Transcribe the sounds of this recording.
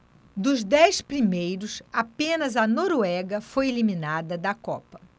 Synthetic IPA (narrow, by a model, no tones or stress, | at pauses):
d̪ʊzd̪ɛjspɾimejɾʊsapẽnɐzɐnoɾuɛɡɐfojelimĩnad̪ɐd̪ɐkɔ̰pɐ